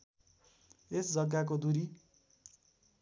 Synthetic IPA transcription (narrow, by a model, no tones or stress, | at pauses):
esd͡zʌɡːak̬od̪uɾi